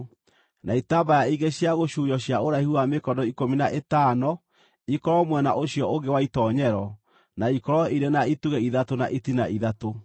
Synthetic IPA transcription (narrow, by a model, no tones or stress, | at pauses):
naitaːbajaiɣɡeɕjaɣoɕujɔɕjaoɾaihuamekɔdɔikominaʔetaːnɔ | ikɔɾɔmwɛnaʔoɕjɔoŋɡewaitɔɲɛɾɔ | naikɔɾɔiɾenaituɣɛiðatonaʔitinaʔiðato